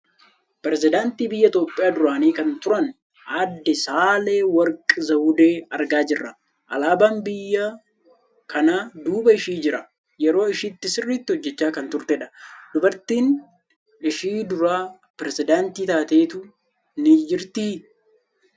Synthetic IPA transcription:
pɛɾɛzɪd̪aːnt̪iːbɪjːɐɪt̪o̞ːpʼːɪjaːd̪ʊɾaːniːkɐnt̪ʊɾɐn | aːd̪ːɪsaːleːwɐɾkʼɪzɐwʊd̪eːɐɾɡaːd͡ʒɪrːɐ | ʔɐ̰laːbaːmbɪjːa | kʰɐnaːd̪uːbɐɪʃiːd͡ʒɪɾɐ | jɛɾo̞ːɪʃiːt̪ːɪsɪrːiːt̪ːɪhɔd͡ʒːɛt͡ʃːaːkɐnt̪ʊɾt̪ɛᶑɐ̥d̪̥ʊbɐɾt̪iːn | ɪʃiːd̪ʊɾaː | pɾɛzɪd̪aːnt̪iːt̪aːt̪e̞ːt̪ʊ | nɪd͡ʒɪɾt̪i

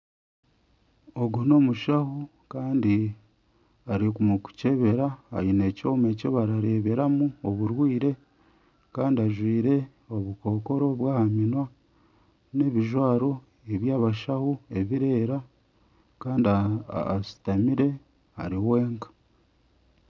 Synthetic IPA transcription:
o̞ɡuno̞ːmuʃahu | kaːndi | aɾikumuku̥ce̞βe̞ɾa̰ːinecoːme̞coβaɾaɾe̞ːβeɾamuoβuɾwiːɾe̞ | kaːndiaʒwiːɾe̞ | o̞βuko̞ːko̞ɾo̞βwaːhaminwa | ne̞βiʒwaːɾo̞ | eβjaːβaʃahue̞βiɾe̞ːɾa | kaːndiasi̥tamiɾe̞ | a̰ɾiwe̞ːŋkḁ

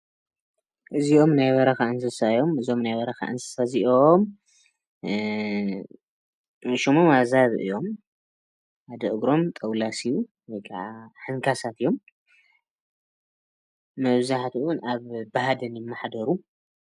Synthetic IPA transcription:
ʔɨzio̞mnajwɐɾɐxaʔɨnsɐsaɨjo̞mɨzio̞mnajwɐɾɐxa̰ʔɨ̰nsɨ̥saziʔom | ʃimomazaβʔɨ̰jo̞m | ad̪ɐʔɨɡɾo̞mt̪ʼɐwlasiju | wojkʰa̰ʕaħɨŋkʰasat̪ɨjo̞m | ɐβzaħt̪ʰwʊnaβbaɦad̪ɐnjɪmːaħd̪ɐɾu

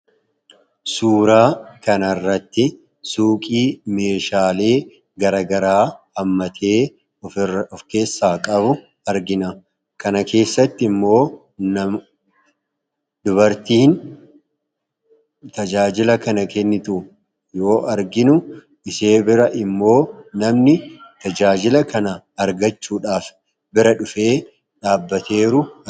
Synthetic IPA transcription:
suːɾaːkɐnɐrːɐt̪ːɪ | suːkʼiːme̞ːʃaːle̞ː | ɡɐɾɐɡɐɾaːhɐmːɐt̪ʰe̞ː | ɔfke̞ːsːaːkʼɐbʊ | ɐɾɡɪnɐ | kɐnɐke̞ːsːɐt̪ːɪɪmːo̞ː | nɐm | d̪ʊbɐɾt̪iːn | t̪ɐd͡ʒaːd͡ʒɪlɐkɐnɐkɛnːɪt̪uː | jo̞ːʔɐɾɡɪnʊ | ɪse̞ːbɪɾɐʔɪmːo̞ːnɐmnɪt̪ɐd͡ʒaːd͡ʒɪlɐkɐnɐːɾɡɐt͡ʃːuːᶑaːf | bɪɾɐᶑʊfe̞ː | ᶑaːbːɐt̪ʰe̞ːɾʊ

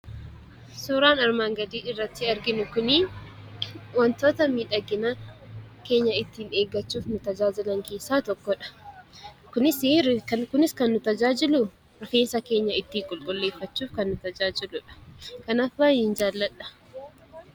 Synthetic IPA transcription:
suːɾaːnɐɾmaːŋɡɐd̪iːɪrːɐt̪ːɪɐɾɡɪnʊkʊnɪ | wɐnt̪o̞ːt̪ɐmiːᶑɐɡːɪnɐ | ke̞ːɲːɐɪt̪ːiːneːɡːɐt͡ʃːuːfnʊt̪ɐd͡ʒaːd͡ʒɪlɐŋke̞ːsːaːt̪ɔkːɔᶑɐ̥ | kʊnɪsɪɾkɐkʊnɪskɐnːʊt̪ɐd͡ʒaːd͡ʒɪlʊ | ɾɔfeːnsɐke̞ːɲːɐɪt̪ːiːŋkʼʊlkʼʊlːe̞ːfːɐt͡ʃːuːfkɐnːʊt̪ɐd͡ʒaːd͡ʒɪlʊᶑɐ̥kɐnaːfbaːjend͡ʒaːlːɐᶑɐ̥

